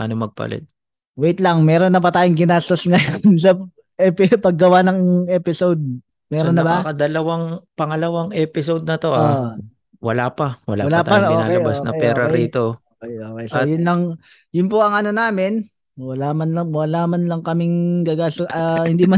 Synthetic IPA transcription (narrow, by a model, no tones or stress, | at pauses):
ʔa̰nomɐɡ̚pɐ̰lɛ̰t̪̚ | wejt̪lɐŋmɛːɾonːɐpɐt̪aːjoŋɡɪnaːst̪osŋɐjons̬ɐ | ʔɛpɪpɐɡːɐwanɐŋʔɛːpɪsowd̪̚ | mɛːɾonːɐbɐɐɐd̪ɐlɐwaŋpɐŋɐlɐwaŋʔɛːpɪsowd̪̚nɐt̪oʔa | wɐ̰laːpɐwɐ̰la̰wɐlaːaɐʔoɪnaːlɐbasnɐ̰pɛːɾɐɾiːt̪ookɛjoːkɛjsjʊnlɐŋ | jʊnp̬oɐŋɐno̞naːmɪn | wɐlamɐnlɐwɐlaːmɐnlɐŋkɐmɪŋɡɐɡaːst̪oʔɐhɪnd̪iːmɐ